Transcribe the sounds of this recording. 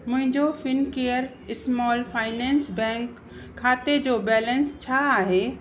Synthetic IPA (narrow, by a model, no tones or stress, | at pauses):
mʊ̃ɦɪ̃ɲd͡ʑofɪnkeːəɾ | ɪsmɔːlfʰaːɪnɛ̃ːnsbɛ̃ːŋkʰː | aːt̪ed͡ʑoːbɛːlə̃nst͡ɕʰaaːɦe